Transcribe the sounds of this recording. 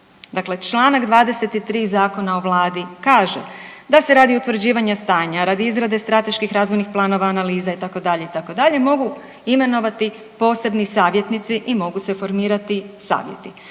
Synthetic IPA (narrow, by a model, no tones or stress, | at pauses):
d̪akle̞t͡ʃlaːnaɡd̪ʋaːd̪e̞se̞t̪it̪ɾiːzaːko̞nao̞ʋlˠaːd̪ikaːʒḛ | d̪ase̞ɾaːd̪iut̪ʋɾ̩d͡ʑiːʋaɲast̪aːɲaɾad̪iizɾad̪e̞st̪ɾat̪e̞ʃkixɾaːzʋojnixplˠaːno̞ʋaːnaliːzait̪ako̞d̪aʎeit̪ako̞d̪aʎe̞mo̞ɡu | ime̞no̞ʋat̪i | po̞ːse̞bnisaːʋje̞t̪nit̪siʔimo̞ɡuse̞fo̞ɾmiːɾat̪isa̰ːʋjḛt̪i